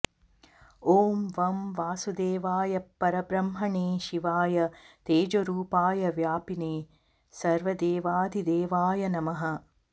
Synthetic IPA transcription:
oːmʋɐmʋaːsud̪eːʋaːjɐpːɐɾɐbɾɐmɦɐɳeːʃiʋaːjɐt̪eːd͡ʒoɾuːpaːjɐʋjaːpineː | sɐɾʋɐd̪eːʋaːd̪ʱid̪eːʋaːjɐnɐmɐɦɐ̆

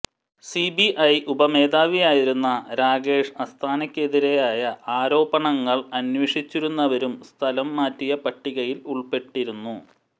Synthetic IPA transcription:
sibiʔɐjʔubɐme̞ːðaːʋijaːjiɾunːɐɾaːɡe̞ːʂɐst̪ʰaːnɐkʲːe̞ðiɾejaːjɐaːɾo̞ːbɐɳɐŋːɐɭɐnweːʂit͡ɕːiɾunːɐʋɐɾumst̪ʰɐlɐmːaːtːijɐpɐʈːiɣɐjiluɭpe̞ʈːiɾunːu

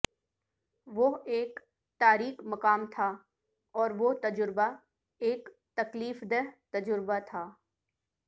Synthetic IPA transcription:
ʋoɦeːk | t̪aːɾiːqmɐkaːmt̪ʰa | ɔːɾʋot̪ɐd͡ʒʊɾba | eːk | t̪ɐkliːfd̪eɦt̪ɐd͡ʒʊɾbat̪ʰaː

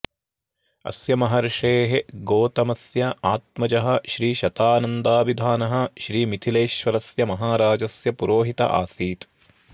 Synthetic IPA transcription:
ɐ̰sjɐmɐɦɐɾɐʂeːɦeɡoːt̪ɐmɐsjɐaːt̪̚mɐd͡ʒɐɦɐ̆ʃɾiːʃɐt̪aːnɐnd̪aːʋid̪ʱaːnɐɦɐ̆ʃɾiːmit̪ʰileːʃʋɐɾɐsjɐmɐɦaːɾaːd͡ʒɐsjɐpuɾoːɦit̪ɐ̰ʔa̰ːsiːt̪

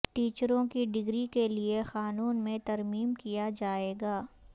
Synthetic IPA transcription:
ʈiːt͡ʃɾõkiɖɪɡɾikeliexaːnuːnmẽt̪ɐɾmiːmkijad͡ʒaːeːɡaː

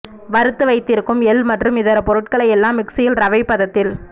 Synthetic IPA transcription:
ʋɐɾɯt̪ːɯʋɐɪt̪ːɪɾɯkːɯmɛlmɐʈrɯmɪðɐɾɐpɔɾɯʈkɐɭɐjɛlːaːmːɪksɪjɪlɾɐʋɐɪpːɐðɐt̪ːɪl

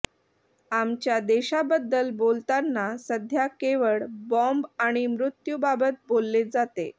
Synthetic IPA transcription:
amt͡ɕjad̪eɕabəd̪ːəlbolt̪anːasəd̪ʱjakeʋəɭbɔ̃mbaɽ̃imɾut̪jubabət̪̚bolːed͡zat̪e

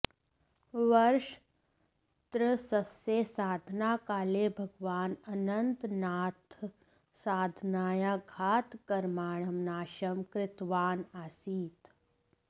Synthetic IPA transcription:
ʋɐɾʃ | t̪ɾəsɐseːsaːd̪ʱnaːkaːleːbʱɐɡʋaːnɐnɐnt̪naːt̪ʰ | saːd̪ʱnaːjaɡʱaːt̪kɐɾmaːɳɐmnaːʃɐmkɾɪt̪ʋaːnaːsiːt̪

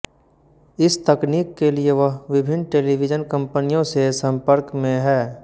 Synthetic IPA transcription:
ɪst̪ɐkniːkːelieʋəɦʋɪbʱɪnʈeːliʋɪd͡ʒənkə̃mpənijõsesɐ̃mpəɾkmẽɦɛː

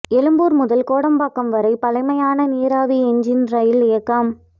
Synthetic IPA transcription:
ɛlɯmbuːɾmʊðɐlkoːɽɐmbaːkːɐmʋɐɾɐɪpɐlɐɪmɐjaːnɐniːɾaːʋiɛɲd͡ʒɪnɾɐjɪlɪjɐkːaːm

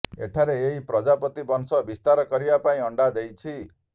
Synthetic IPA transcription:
ḛʈʰaɾeeɦipɾɔd͡ʒapɔt̪ibɔŋsɔbist̪aɾɔkɔɾibapaĩɔɳɖad̪ejt͡ʃʰi

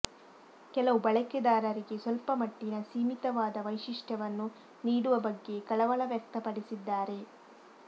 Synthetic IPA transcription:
kɛlɐʋubɐɭɐked̪aːɾɐɾiɡe̞sʋɐlpɐmɐʈːinɐsiːmit̪ɐʋaːd̪ɐʋɐjʂiʂʈʰɐʋɐnːu | niːɽuʋɐbɐɡːe̞kɐɭɐʋɐɭɐʋjɐk̚t̪ɐpɐɽisid̪ːaːɾe̞

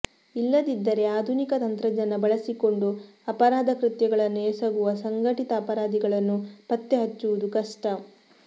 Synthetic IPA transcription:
ilːɐd̪id̪ːɐɾe̞aːd̪ʱunikɐt̪ɐnt̪ɾɐd͡ʒɐnːɐbɐɭɐsiko̞ɳɖu | ɐpɐɾaːd̪ʱɐkɾit̪jɐɡɐɭɐnːueːsɐɡuʋɐsɐŋɡʱɐʈit̪ɐːpɐɾaːd̪iɡɐɭɐnːupɐt̪ːeɦɐt͡ʃːuʋud̪ukɐʂʈɐ

